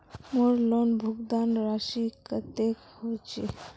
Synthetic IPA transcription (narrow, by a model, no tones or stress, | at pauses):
moɾlonbʱuɡd̪anɾaʃikət̪ekhot͡ʃʰḭ